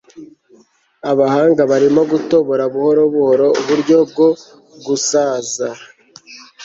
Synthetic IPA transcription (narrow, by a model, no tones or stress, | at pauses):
aβahaːŋɡaβaɾimo̞ɡuto̞βo̞ɾaβuho̞ɾo̞βuho̞ɾo̞uβuɾɟo̞b̚ɡo̞ | ɡusaːza